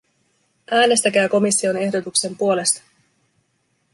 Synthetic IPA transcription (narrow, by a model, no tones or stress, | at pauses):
ʔæːne̞st̪æk̟æːko̞misːio̞ne̞hdo̞t̪ukse̞mpuo̞le̞st̪ɑ̥